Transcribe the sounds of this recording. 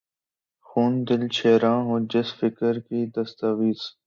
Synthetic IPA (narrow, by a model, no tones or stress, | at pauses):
xuːnd̪ɪlt͡ʃʰeːɾãːɦõːd͡ʒɪsfɪkəɾkiːd̪əst̪aːʋiːz